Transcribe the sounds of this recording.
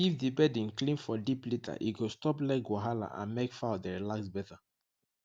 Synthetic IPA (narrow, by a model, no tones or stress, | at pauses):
ifdibɛdĩnklĩnfɔdiplitʰa̰ʔḭɡostɔplak̚ɡoɦala̰ʔã̰nmekfaʊdɛɹilaksbɛta